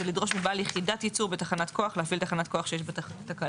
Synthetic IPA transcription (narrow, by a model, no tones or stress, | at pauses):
elidʁo̞ʃmibaːljeχidat̪jit͡suʁbetaχanat̪kʰo̞aχleafilt̪aχanat̪̚ko̞aχʃejeʃbettaka